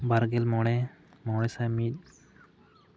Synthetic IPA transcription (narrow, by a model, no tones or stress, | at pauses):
baɾɡɛlmɔɽɛmɔɽɛsamit̚